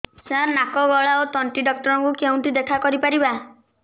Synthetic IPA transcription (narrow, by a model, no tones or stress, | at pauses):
sãnakɔɡɔɭaot̪ɔɳʈiɖɔk̚ʈɔɾɔ̃ŋkukeũnt̪id̪ekʰakɔɾipaɾiba